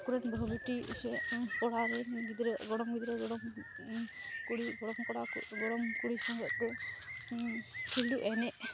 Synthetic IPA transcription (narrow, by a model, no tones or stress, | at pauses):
kuɾɛnbʱluʈḭsɛkɔɽaɾɛɡid̪ɾɛɡɔɽɔmɡid̪ɾɛɡɔɽɔm | kuɽiɡɔɽɔmkɔɽakṵɡɔɽɔmkuɽisɔŋɡɔʔt̪ɛ | kʰiɦɽuʔɛnɛʔ